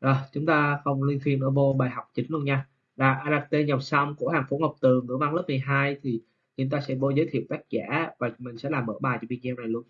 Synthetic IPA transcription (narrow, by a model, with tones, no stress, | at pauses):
ʔəː˨˩t͡ɕʊ˨˦ŋ͡mt̪aː˧xə˧wŋ͡mli˧nt̪ʰwi˧ənʔəː˧˩vo˧ɓaː˨˩jɦa˨˩wk͡p̚t͡ɕï˨˦ŋ̟lu˧ənɲaː˧ | laː˨˩ʔaː˧laː˧k̚t̪e˧ɲa˨˩w̚sa˧wŋ͡mkṵ˧˥əhaː˨˩ŋfo̰˧˥˦ŋo˨˩w̚k͡p̚t̪ɨ˨˩ŋɨ̰˧˥əva˧ŋlə˦˥p̚mɨ˨˩jɦaː˧jt̪ʰi˨˩ | t͡ɕɨ˨˦t̪aː˧sɛ̰˧˥ɓo˧˦zəː˨˦jt̪ʰḭ˧˨əwt̪aː˦˥k̚za̰ː˧˥vaː˨˩mï̟˨˩sɛ̰˧˥laː˨˩mʔə̰ː˧˥ɓaː˨˩jt͡ɕɔ˧ɓi˧nzɛ˧mna˨˩jlu˧ən